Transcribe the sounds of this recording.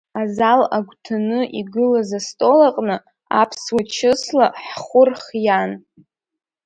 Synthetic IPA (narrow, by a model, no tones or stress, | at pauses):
azalaɡʷtʰanɨʔiɡɨlazastʼo̞laqʼnɨ | a̰pʰswat͡ʃʰɨslaħχʷʊrχjan